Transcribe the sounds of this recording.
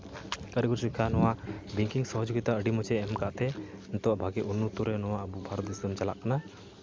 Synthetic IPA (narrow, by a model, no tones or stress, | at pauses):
kaɾiɡuɾsikʰanɔwaʔbiŋkiŋsɔɦɔd͡ʒuɡit̪aəɖimɔt͡ʃɛːmkaʔt̪ɛnt̪ɔʔbʱaɡɛʔunːut̪uɾɛnɔwaʔəbubʱaɾɔt̪isd̪ɔmt͡ʃala̰ʔkana